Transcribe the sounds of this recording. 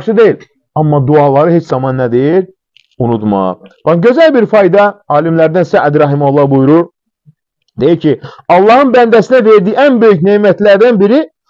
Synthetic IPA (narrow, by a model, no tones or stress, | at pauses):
ʃɯd̪e̞jil | ɑmːɑd̪uɑlˠɑɾɯhet͡ʃzɑmɑnːæd̪ejiɾ | unud̪mɑ̰ʁb̥ɑnɟø̞zælbiɾfɑjd̪ɑɑːlimlæɾd̪ænsæʔæd̪ɾɑɦimolˠːɑbujuɾuɾ | d̪e̞jiɾcʰiɑlˠːɑhɯnbænd̪æsinæve̞ɾd̪iːænbø̞jyçneːmæt̪læɾd̪ænbiɾi